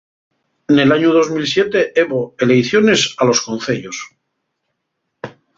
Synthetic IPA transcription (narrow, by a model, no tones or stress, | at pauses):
nelaɲuð̞o̞zmilsje̞t̪eeβoele̞jθjonesalo̞sko̞nθeʎos